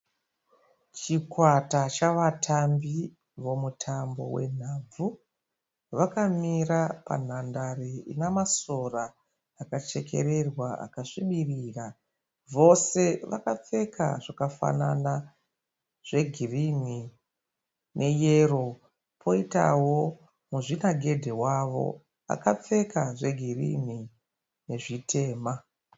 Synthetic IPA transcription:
t͡ʃikwatat͡ʃaʋatʰambi | ʋo̞mutʰambo̞̰we̞̰n̤aːb͡vu | ʋakamirapa̰n̤andareḭnamasoraː | kat͡ʃe̞kʰe̞̰ɾe̞rwaa̰kaʂiɓiriːra | ʋo̞se̞ʋa̰kap͡fe̞kʰa̰ʐ̥akafa̰nana | ʐ̥e̞ɡʱirini | nʔe̞je̞ro̞ | pʰo̞ita̰wo̞ | muʐinaɡʱe̞dʱewaʋo̞̰ | a̰kap͡fe̞kaʐe̞ɡʱirḭni | ne̞ʐitʰe̞ːma

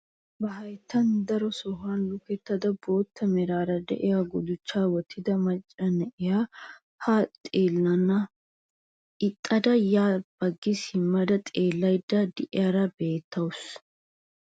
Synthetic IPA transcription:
bɐɦɐjt̪ʰːɐnd̪ɐɾɔsɔhanlʊkɛt̪ːɐd̪ɐbo̞ːt̪ːɐmɛɾaːɾɐd̪ɛ̰ʔɛjaɡʊd̪ʊt͡ʃːaːwɔt̪ʰːɪd̪ɐmɐt͡ʃʼːɐnɛʔɛja | haːt̪ʼeːlːɐnɐ | ɪt̪ʼːɐd̪ɐjaːb̥ɐɡːɪshɪmːɐd̪ɐt̪ʼeːlːɐjɪd̪ːɐd̪ɪʔɪjaɾɐbe̞ːt̪ʰːɐʊs

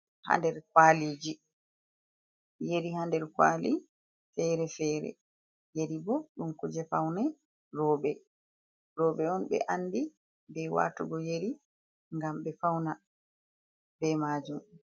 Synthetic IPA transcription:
ha̰ndɛɾkwaliːd͡ʒi | jeɾihandɛɾkwa̰ːli | fɛɾɛfɛːɾɛ̰ | jeɾibɔɗumkud͡ʒɛfawnɛ | ɾɔːɓɛ | ɾɔːɓɛɔnɓɛ̰ʔanːdi | bɛwa̰tuɡɔjeɾi | ŋɡamɓɛfawna | bɛmaːd͡ʒum

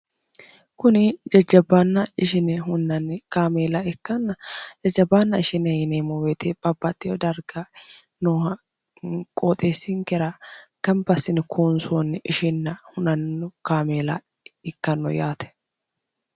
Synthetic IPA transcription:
kʊnɪd͡ʒɐd͡ʒːɐbːɐnːɐɪʃɪnɛhʊnːɐnkaːmeːlɐɪkːɐnːɐd͡ʒɐd͡ʒːɐbːanːɐɪʃɪnɛjɪneːmɔweːt̪eb̥ʼɐbːɐt̪ːɪjɔd̪ɐɾɡɐ | noːhɐ | kʼoːt̪ʼeːsːɪŋkɛɾɐɡ̥ɐmbɐsːɪnɪkʰoːnsoːnːɪʃɪnːɐhʊnɐnːɔkaːmeːlɐ̰ | ɪkːɐnːɔ̰jaːt̪ɛ̥

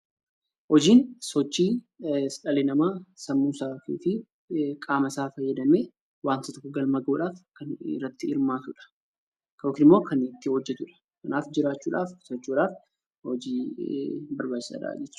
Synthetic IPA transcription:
hɔd͡ʒiːnsɔt͡ʃːiː | sᶑɐleːnɐmaːsɐmːuːsaːkḭːfɪ | kʼaːmɐsaːfɐjːɐd̪ɐmeː | waːnt̪ɐt̪kːɔɡɐlmɐɡuːᶑaːfkɐnɪ̰rːɐt̪ːɪɪɾmaːt̪ʊᶑɐ̥ | kɐɔkːɪnɪmːo̞ːkɐnɪt̪ːɪhɔd͡ʒːɛt̪ʊᶑɐ̥ | kɐnaːfd͡ʒɪɾaːt͡ʃːuːᶑa̰ːfsɔt͡ʃːuːᶑaːf | hɔd͡ʒiː | bɐɾbaːd͡ʒt͡ʃːɪ̥sa̰ːᶑa̰ːd͡ʒɛt͡ʃː

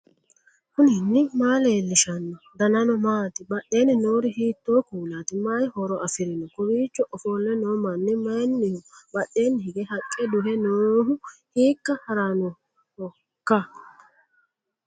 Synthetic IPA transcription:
hʊnɪnːɪmaːleːlːɪʃɐnːɔd̪ɐnɐnɔmaːt̪ɪbɐʔe̞ːnɪnoːɾɪhiːt̪ːoːkuːlaːt̪ɪmajhɔɾɔʔɐfɪɾɪnɔkʊbiːt͡ʃːɔʔɔfoːlːɛnoːmɐnːɛmɐjnːɪhʊbɐɗːe̞ːnːɪhɪɡɛhɐkʼːɛd̪ʊɦɛnoːɦʊhiːkːɐhɐɾanɔ | hɔ | kːɐ

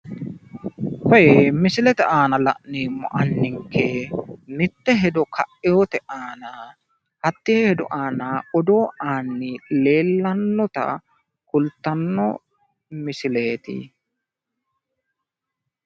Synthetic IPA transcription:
hɔjemɪsɪlɛt̪ɛaːnɐlɐ̰ʔneːmːɔ̰ʔɐnːɪŋkʰːɛmɪt̪ːɛɦɛd̪ɔkʰɐ̰ʔːɛjot̪ɛʔaːnɐ | hɐt̪ːɪhɛhɛd̪ɔʔaːnɐɔd̪o̞ːʔaːnːɪle̞ːlːɐnːɔt̪ɐ̰ | kʊlt̪ːɐnːɔ | mɪsɪleːt̪ɪ̰

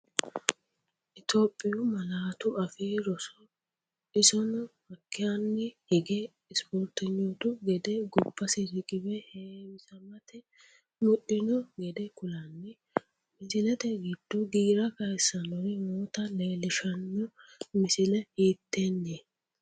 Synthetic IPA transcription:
ʔɪt̪oːpʼːɪjʊmɐlaːt̪ʊʔɐfiːɾɔsɔ | ɪsɔnɔmɐkːɪjanːɛhɛɡe | ɪspoːɾt̪ɪɲːɔt̪ʊɡɛd̪ɛɡʊbːɐsɪɾɪkʼɪbɛheːwɪsɐmɐt̪ɛ | mʊɗɪnɔɡɛd̪ɛkʊlanːɛ | mɪsɪlɛt̪ɛɡɪd̪̥ːɔɡiːɾɐkɐjsːɐnɔɾɪmoːt̪ɐleːlɪʃɐnːɔmɪsɪlɛhiːt̪ːeːnːeː

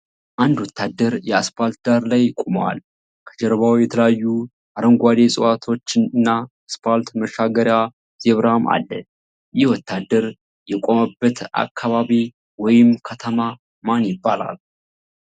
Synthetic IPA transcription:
ʔand̪wɔt̪ʰːad̪ːəɾjɛaspʰalt̪̚d̪aɾlajkʼumwa̰l | kʰəd͡ʒɛɾβawjɛt̪ʰələjajːu | ʔaɾəŋɡʷad̪e̞sʼəwat̪ʰo̞t͡ʃːɨnnːa | spʰalt̪məʃaɡəɾja | z̥ɛβɾhama̰lːə | jɪhwɔt̪ʰːad̪ːəɾ | jɛkʼoməbːət̪a̰kʰːaβaβi | wɔjɪmkʰət̪ʰəma | manjɪbːala̰l

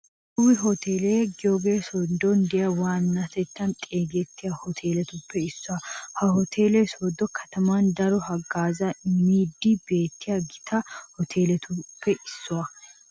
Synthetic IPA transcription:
kʊwɪɦɔt̪eːlɛɡɪjoɡeːsɔd̪ːɔnd̪ɛjɐwaːnːɐt̪ɛt̪ːɐnt̪ʼeːɡɛt̪ːɪjahɔt̪ʰe̞ːlɛt̪ʊpːɛɪsːʊɐhɐhɔt̪ʰeːlɛsɔd̪ːɔkʰɐt̪ɐmand̪ɐɾɔhɐɡaːzɐmiːd̪ːɪbeːt̪ːɪjaɡɪt̪ʰɐhɔt̪ʰe̞ːlɛt̪ʊpːɛʔɪsːʊwɐ

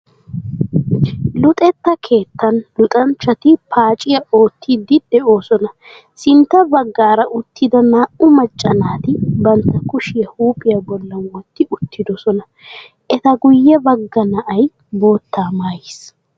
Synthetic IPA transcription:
lʊt̪ʼɛt̪ːɐkʰe̞ːt̪ːɐnlʊt̪ʼɐnt͡ʃːɐt̪ɪpʰaːt͡ʃʼɪjɐo̞ːt̪ʰːɪd̪ɪd̪̥ɛʔo̞ːsɔnɐ | sɪnt̪ːɐbɐɡːaːɾɐʔʊt̪ːɪd̪ɐnaːʔʊmɐt͡ʃʼːɐnaːt̪ɪbɐnt̪ːɐkʊʃɪjɐhuːpʼɪjɐbɔlːɐnwɔt̪ːɪʔʊt̪ːɪd̪ɔsɔnɐ | ʔɛt̪ɐɡʊjːɛbɐɡːɐnɐʔɐj | bo̞ːt̪ːaːmaːjɪs

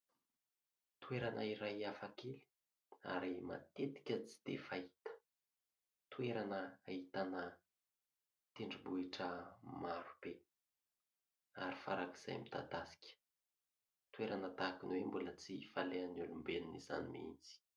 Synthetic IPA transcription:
t̪ueɾanʔəiɾajafakeli̥ | a̰ɾima̰t̪et̪i̥kʲət͡si̥d̪̥efait̪ə̥ | t̪ueɾanəait̪anə | t̪eɳɖ͡ʐibuiʈ͡ʂəmaɾub̥e | aɾifa̰ɾaki̥z̥a̰jmit̪ad̪asi̥kʲə̥ | t̪ueɾanət̪akinwembulət͡sifaleanulumbeniniza̰nimḭnt͡si̥

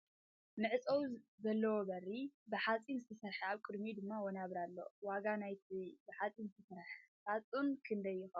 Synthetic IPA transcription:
nɨʕɨt͡sʼɐwzɐlːɐwobɐribɨħat͡sʼinzɨt̪ʰɐsɐɾħaβkʼɨd̪mid̪ɨmːawɔnaβɾalːo̞̰waɡanajt̪ʰibɨħat͡sʼinzɨt̪ʰɐsɐɾħħat͡sʼunkʰɨnd̪ɐjːɪxɐ

